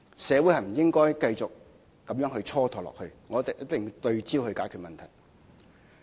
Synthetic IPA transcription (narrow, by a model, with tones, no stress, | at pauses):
sɛː˨˧wu˨˥hɐ˨˩jm̩˨˩jɪ˥ŋkɔː˥jkɐ˧jt͡sʊ˨k̚ː | ɐ˨˥mjœː˨˥ŋɦɵ˧ɥt͡sʰɔː˥t̪ʰɔː˨lɔ̰ː˨k̚hɵ˧ɥŋɔː˨˥t̪e˨˩jɐ˥t̚t̪ɪ˨ŋt̪ɵ˧ɥt͡siː˥whɵ˧ɥkaː˨˥jkʰyː˨t̚mɐ˨nt̪ʰɐ˨˩j